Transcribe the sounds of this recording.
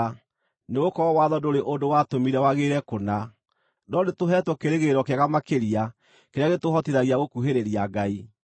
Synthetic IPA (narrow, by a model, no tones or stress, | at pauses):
neɣokɔɾɔwaðɔdoɾeʔondowatomiɾɛwaɣeɾɛkona | nɔnetoɦɛtwɔkeɾeɣeɾɔkeaɣamakeɾia | keɾeaɣetohɔtiɾaɣiaɣokuɦeɾeɾiaɡai